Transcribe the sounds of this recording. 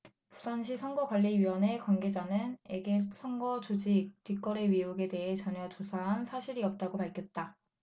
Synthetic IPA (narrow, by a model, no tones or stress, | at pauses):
pusʰanɕʰisʰʌŋɡʌɡwaʎːiɥiwʌne̞kwanɡe̞d͡ʑanɯne̞ɡesʰʌŋɡʌt͡ɕod͡ʑik̚t͈ɥik͈ʌɾe̞ɥiuɡe̞de̞ɦe̞t͡ɕʌɲjʌt͡ɕosʰaɦansʰaɕʰiɾiʌp̚t͈aɡopaɭkʰjʌt̚t͈a